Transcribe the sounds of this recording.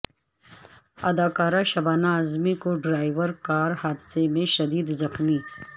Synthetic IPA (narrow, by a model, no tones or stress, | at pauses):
ɐd̪aːkaːɾaʃɐbaːnaːzmikoɖɾaːɪʋəɾkaːɾhaːd̪semẽʃɐd̪iːd̪zɐxmi